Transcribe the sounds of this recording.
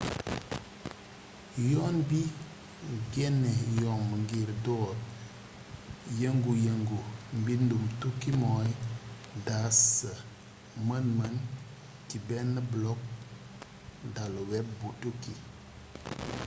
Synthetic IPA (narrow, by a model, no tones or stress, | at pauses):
jonbi | ɡenejonməŋɡiɾdoɾ | jəŋɡujəŋɡumbindumtukimoj | dasə | mənman | tibenːəblɔk̚ | daluweb̚butuki